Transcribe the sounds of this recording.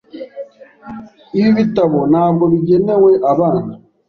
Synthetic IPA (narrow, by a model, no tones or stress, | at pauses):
iβiβitaβonaːbɡoβiɟeneweʔaβaːna